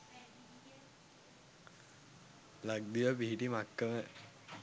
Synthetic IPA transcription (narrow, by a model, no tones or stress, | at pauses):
laɡ̚d̪iʋəpiɦiʈimakːəmə